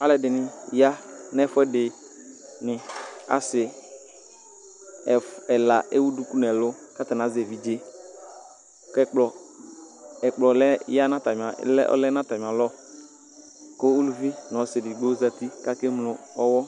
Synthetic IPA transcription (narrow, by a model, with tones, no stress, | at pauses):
a˦lɛ˨dɪ˨nɪ˨ja˦nɛ˦fɛ˦dɪ˨ | nɪ˨a̰˨sɪ˨ | ɛ˨la˨ḛ˦wu˦du˦ku˦nɛ˨lʊ˦ka˦ta˨n˨a˨˦zɛ˨vi˨d͡ʒe˦ | kɛ˦k͡plɔ˨ | ɛ˨k͡plɔ˨lɛ˦ja˦na˦ta˨m˨a̰˨˦ɔ̰˦lɛ˦na˦ta˨m˨a˨lɔ˦ | ko˦u˦lu˨vi˦n˨ɔ˨sɪ˨dɪ˨ɡ͡bo˦za˦ti˦ka˦ke˦mlʊ˨ɔ˦wɔ˦